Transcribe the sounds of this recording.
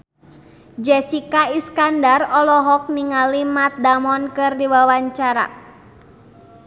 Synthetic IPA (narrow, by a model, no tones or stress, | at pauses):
d͡ʒɛsikaiskandarɔlɔɦɔk̚niŋalimat̪̚damɔnkɨrdiwawaɲt͡ʃaɾa̰